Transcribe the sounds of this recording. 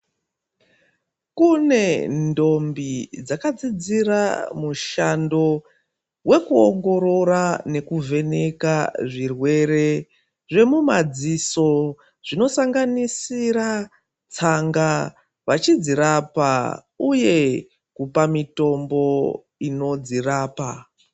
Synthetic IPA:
kune̞ndo̞mbid͡zakad͡zid͡zira̰muʃando̞ | we̞kuo̰ŋɡo̞ɾo̞rane̞kuve̞ne̞kaʐirwe̞re̞ | ʐe̞mumad͡ziso̞ | ʐ̥ino̞saŋɡanisiɾa | t͡saŋɡa | ʋat͡ʃid͡ziɾapa̰ | uje̞ | kupamito̞mbo̞ | ino̞d͡ziraːpa

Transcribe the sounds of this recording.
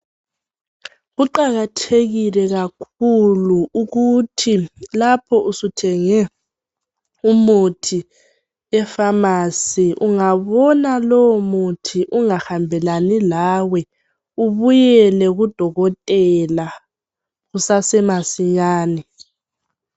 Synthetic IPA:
ɣuǃaɣatʰeɣilɛɣakʰuluuɣutʰilapʰɔʔusutʰɛŋɛ | umutʰi | ɛfamasiʔuŋaβɔnalɔwɔmutʰiʔuŋahambʱɛlanilawɛ | uβujɛlɛɣud̥ʱɔɣɔtʼɛla | ɣusasɛmasiɲaːni

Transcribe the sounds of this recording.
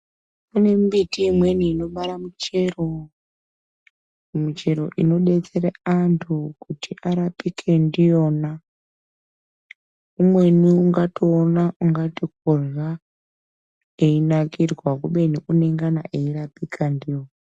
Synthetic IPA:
une̞mbitiimwe̞niːno̞ɓaɾamut͡ʃe̞ro | mut͡ʃe̞ɾo̞̰ʔino̞ɗe̞t͡se̞ɾeantʰukutʰiʔaɾapikʰe̞ndijo̞na | umwe̞niuŋɡatoːnauŋɡatik̚orwa | einakirwakuɓe̞niʔune̞ŋɡana̰ʔeirapikʰandijona

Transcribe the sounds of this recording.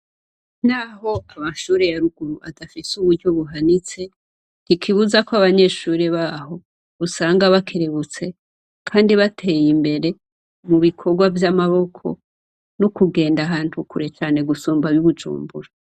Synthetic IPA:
naho̞amaʃuːɾe̞jaɾuɡ̥uɾuʔadafisuβuɾɟo̞βuɦanit͡se̞ | nikʰiβuzakwaβaɲe̞ːʃuːɾeβaɦo̞ | βusaːŋɡaβakʰeɾe̞βut͡se̞ | kʰaːndiβatʰe̞ːjimbe̞ɾe̞ | muβikʰo̞ɾɡwavjamaβo̞kʰo̞̰ | nukuɡe̞ːndaɦaːn̥hukuɾe̞t͡ʃaːne̞ɡusuːmbaβjuβud͡ʒṵːmbṵɾa

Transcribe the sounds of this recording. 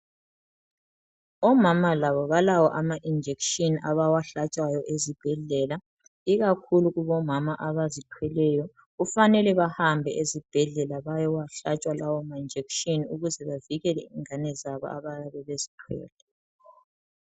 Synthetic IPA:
ɔmamalaβɔβalawɔʔamaʔind͡ʒʱekʃinʔaβawaɬat͡ʃʼwajɔʔezib̥ʱɛɮɛla | iɣakʰuluɣuβɔmamaʔaβazitʰwɛlɛjɔ | ɣufanɛlɛβahambʱɛʔezib̥ʱɛɮɛlaβajɔwaɬat͡ʃʼwalawɔmaind͡ʒʱekʃiniuɣuzɛβaviɣɛlɛiŋanɛzaβɔ̰a̰βajaβɛβezi̥tʰwɛ̰ːlʼɛ

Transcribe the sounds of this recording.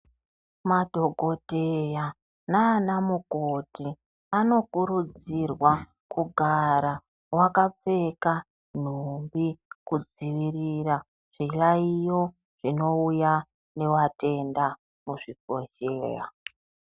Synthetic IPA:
madʱo̞ɡʱo̞deja | naːnamukoti | ano̞kuɾud͡zirwa | kuɡʱaɾa | wakap͡fe̞ka | n̤umbikud͡ziʋirira | ʐ̥iraijo̞ | ʐ̥ino̞uja | ne̞wate̞nda | muʐipo̞ʃḛːra̰

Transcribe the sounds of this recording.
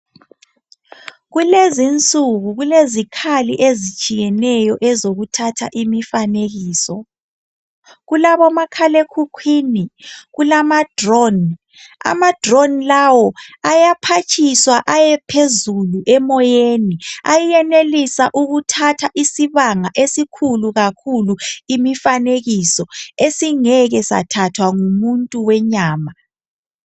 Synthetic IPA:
ɣulezint͡sʼuɣuɣulezikʰaliʔezit͡ʃʼijɛnɛjɔʔɛzoɣutʰatʰaʔimifaneɣiːsɔ | ɣulaβɔmakʰalekʰukʰwiniɣulamad̥rɔn | a̰mad̥rɔnlawɔajapʰat͡ʃʰʼiswaʔajɛpʰezuluʔɛmɔjeniajijɛnelisaʔuɣutʰatʰaʔisiβaŋaʔesikʰuluɣakʰuluimifaneɣisɔesiŋɛɣɛsa̰tʰatʰwaŋumuntʼuwɛɲaːma

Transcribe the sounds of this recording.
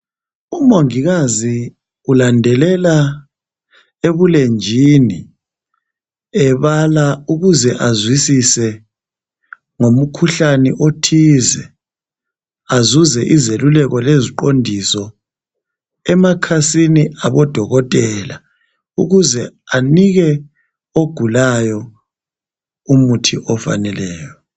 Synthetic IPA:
umoŋiɣazi | ulandʱɛlɛla | eβulend͡ʒʱini | ɛβalauɣuzɛʔazwisisɛ | ŋom̩kʰuɬanɛʔotʰiːzɛ | azuzɛʔizelulɛɣɔleziǃondʱisɔ | ɛmakʰasiniaβɔd̥ʱɔɣɔtʼɛla | ṵɣuzɛaniɣɛ | oɡ̥ʱulajɔ | umutʰiʔɔfa̰nɛlɛːjɔ

